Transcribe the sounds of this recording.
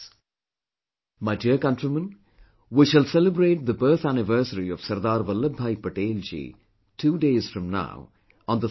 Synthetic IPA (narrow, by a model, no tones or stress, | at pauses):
maɪɖiəkɐ̃ɳʈɾimə̃n | ʋiʃəlsɛlɪbɾeːʈ̚d̪əbəːt̪ʰænɪʋəːsəɾiɔʋsɐɾd̪aːɾʋɐlːəbʱːaːjpəʈeːld͡ʒḭː | ʈʰuːɖeːz̥fɾʌ̃mna̰ʊ | ɔ̃nd̪ə